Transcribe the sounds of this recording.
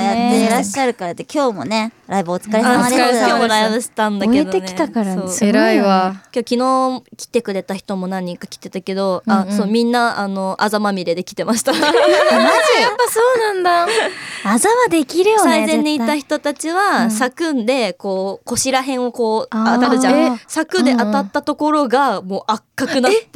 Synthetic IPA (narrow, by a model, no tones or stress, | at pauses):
jaːeɾaɕːaɾɯ̟kaɾad̪ekʲo̞ːmo̞̰ne̞ɾaiboːt͡sɨ̥kaɾeaɾkjo̞ːmoɾaibɯɕi̥t̪ãnd̪aked̪oeneit̪akaɾaoːeɾaiβakʲo̞ːkʲino̞ːkʲi̥t̪e̞kɯ̟ɾe̞t̪açi̥t̪o̞mo̞nãɲ̟ːĩŋkakʲi̥t̪ːe̞t̪ake̞d̪o̞aso̞ːmʲĩnːaano̞ʔazamamʲiɾe̞d̪e̞kʲi̥t̪e̞maɕi̥t̪amazijapːasoːnãnd̪a | azamad̪e̞kʲiɾɯ̟jsosaizẽ̞ɲːiit̪açi̥t̪o̞t̪at͡ɕiβasakɯ̟̃nd̪e̞ko̞ːko̞ɕiɾaɦẽ̞ɰ̃o̞ko̞ːaat͡ɕasakɯ̟d̪e̞ʔat̪at̪ːat̪o̞ko̞ɾo̞ɡamo̞ːʔakːakɯ̟nat̪ː